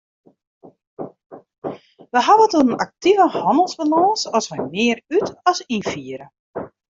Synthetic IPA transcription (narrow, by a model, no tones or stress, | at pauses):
ʋəɦaʋətunənak̚tivəhɔndəlˠzbalɔːsɔsʋɛjmɪərytɔsinfiəɾə